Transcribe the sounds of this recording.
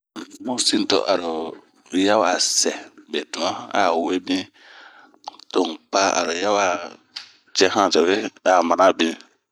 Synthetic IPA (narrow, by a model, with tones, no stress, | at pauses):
mo˦si˦n˨tɔ̰˨ʔa̰˨ɾʊ˨ | ja˦wa˨sɛ˨be˨du˨ma˦a̰˨we˦bĩ˦ | to˨ŋpa˦a̰˨ɾʊ˨ja˦wa˦˨ | t͡ʃɛ˦hã˦˨d͡ʒɛ˨we˦a˨ma˨na˦bĩ˦